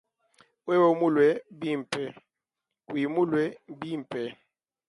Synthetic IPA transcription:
we˦wo˦mu˦lwɛ˨bi˦m̩˨pɛ˨ | wi˨mu˦lwɛ˨˦bi˦˨m̩˨pʰʼɛ˨

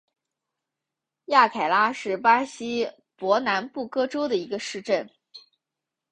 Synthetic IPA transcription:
ja˥˩kʰa˨˩ɪla˥ʂɻ̩˥˩pa˥ɕi˥ | pwɔ˧˥na˧˥npu˥˩kɤ˥ʈ͡ʂo˥ʊd̪ə˨i˧˥ɡə˧ʂɻ̩˥˧ʈ͡ʂə˥˩n

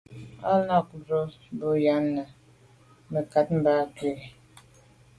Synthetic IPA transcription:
a˦la˦˨k̚zo˦bo˦ja˨˦nːa˨ | mə˨ka˨˦t̚m̩˦ba˦ke˦˨

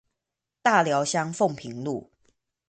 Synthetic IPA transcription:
t̪a˥˨ljɑ˨˦ʊɕjɑ˦ŋfo˥˨ŋpʰi˨˦ŋlu˥˨

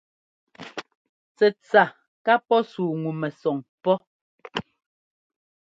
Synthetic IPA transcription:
t͡sɛ˨t͡sa˨ | ka˦pɔ˦suː˨ŋu˨mɛ˨sɔ˨ŋpɔ˦

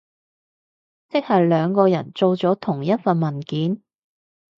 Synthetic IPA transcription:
t͡sɪ˥k̚hɐ˨jlœː˨˧ŋkɔː˧jɐ˨˩nt͡so˧wt͡sɔː˨˥t̪ʰʊ˨˩ŋjɐ˥t̚fɐ˨nmɐ˨˩nkiː˨˥n

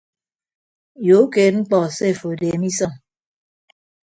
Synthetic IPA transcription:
jo˨˦ke˨t̚ŋ͡m̩˦k͡pɔ˨se˦˨fo˨de˨mi˦sɔ˦˨ŋ

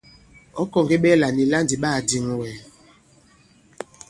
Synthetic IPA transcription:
ɔ˦kɔ˨ŋɡi˦ɓɛ˦la˨ni˨la˦ndi˨ɓa˦˨di˨ŋ˨wɛ˨

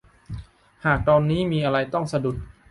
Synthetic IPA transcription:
haː˨˩k̚t̪ɔː˧nːiː˦˥miː˧ʔa˧ɾa˧jt̪ɔ˥˩ŋsa˧du˨˩t̪̚

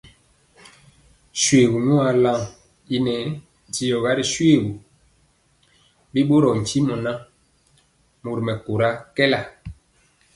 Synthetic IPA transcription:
swe˨ɡu˨nu˦a˨la˦˨ŋ | i˦nɛ˨˦˨ | ti˨jɔ˨ɣa˦ɾi˨ʃwe˦˨ɡu˨ | bi˦ɓo˦ɾɔ˨n̩˨t͡ʃi˦mɔ˨na˦ | mo˨ɾmɛ˨ko˨ɾa˦kɛ˦la˨

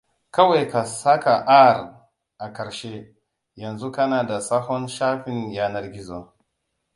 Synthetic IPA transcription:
kɐ˦wa˨jka˨sa˦ka˨ʔa˦˨r | ʔa˨kɐ˨ɾʃe˦ | jɐ˨nzu˦kɐ˦naː˨da˨sa˦ɦɔ˦nʃaː˦ɸɪ˨njaː˦nɐ˦rɡʲi˦zo˦

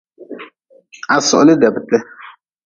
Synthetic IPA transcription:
a˨sʊ̰˨ʔlɪ˦dɛ˨btɛ˦

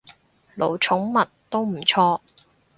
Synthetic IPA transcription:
lo˨˩wt͡ʃʰʊ˨˥ŋmɐ˨t̚t̪o˥wm̩˨˩t͡ʃʰɔː˧

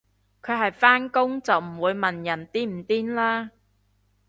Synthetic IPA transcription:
kʰɵ˨˧ɥɦɐ˨jfaː˥nkʊ˥ŋt͡sɐ˨wm̩˨˩wuː˨˧jmɐ˨njɐ˨˩nt̪iː˥m̩˨˩t̪iː˥nlaː˥

